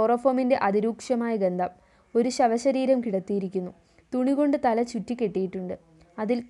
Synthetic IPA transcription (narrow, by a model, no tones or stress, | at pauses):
orɐfoːminde̞ʔɐðiɾuːkʂɐmaːjɐɡɐnd̪ʱɐm | o̞ɾuɕɐʋɐɕɐɾiːɾɐmkiɽɐt̪ːijiɾikʲːunːu | t̪uɳiɣo̞ɳɖɨt̪ɐlɐt͡ɕutːikʲːe̞ʈːijiʈːuɳɖɨ | ɐðil